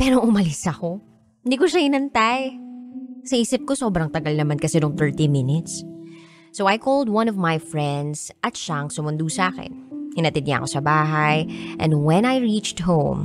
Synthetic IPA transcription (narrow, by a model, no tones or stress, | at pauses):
pɛːɾoʔʊmɐlɪsɐko̞ | hɪnd̪ikoʃahɪnɐnt̪aj | sɐʔiːsɪp̚kosoːbɾɐŋt̪ɐɡalnɐmankɐsɛnoŋθɛɹt̪imɪnɪt̪sː | owʔajkold̪̚wɐ̃nɔvmajfɹɛ̃nd̪sʔɐt̪ʃaɐŋsʊmʊnd̪usaːkɛ̰nhɪnɐt̪ɛd̪̚ɲa̰ɐ̰ko̞sɐbaːɦajʔɛ̰̃nd̪wɛ̃najɹit͡ʃt̪hõwm